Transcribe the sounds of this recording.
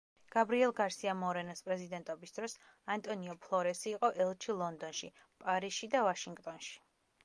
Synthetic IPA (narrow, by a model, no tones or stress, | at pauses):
ɡ̥abɾiɛlˠɡaɾsiamɔɾɛnaspʼɾɛzid̪ɛnt̪ʼɔbisd̪ɾɔs | ant̪ʼɔniɔpʰlˠɔɾɛsiːqʼɔʔɛlˠt͡ʃʰilˠɔnd̪ɔnʃi | pʼaɾisʃid̪avaʃiŋɡt̪ʼɔnʃi̥